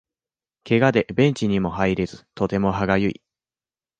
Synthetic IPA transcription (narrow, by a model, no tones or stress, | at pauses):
ke̞ɡad̪e̞bẽ̞ɲ̟t͡ɕiɲ̟imo̞haiɾe̞zɨt̪o̞t̪e̞mo̞ɦaɡajɯ̟ḭ